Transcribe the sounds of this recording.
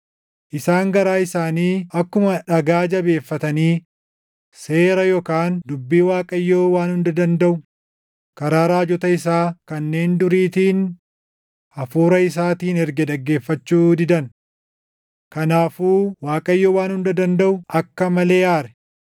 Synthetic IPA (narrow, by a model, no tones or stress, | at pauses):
ʔɪsaːŋɡɐɾaːɪsaːniːʔɐkːʊmɐᶑɐɡaːd͡ʒɐbe̞ːfːɐt̪ɐniː | se̞ːɾɐjɔkaːnd̪ʊbːiːwaːkʼɐjːoːwaːnhʊnd̪ɐd̪ɐnd̪ɐʔʊ | kɐɾaːɾaːd͡ʒɔt̪ɐɪsaːkɐnːe̞ːnd̪ʊɾiːt̪iːn | ʔɐfuːɾɐɪs̬aːt̪iːnɛɾɡɛᶑ̪ɐɡːe̞ːfːɐt͡ʃːuːd̪ɪd̪ɐn | kɐnaːfuːwaːkʼɐjːoːwaːnhʊnd̪ɐd̪ɐnd̪ɐʔʊʔɐkːɐmɐle̞ːʔaːɾɛ̥